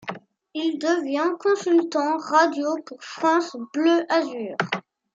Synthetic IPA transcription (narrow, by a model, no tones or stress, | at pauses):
ild̪əvjɛ̃kɔ̃sylt̪ɑ̃ʁad̪jopuʁfχɑ̃sbløʔazyːʁ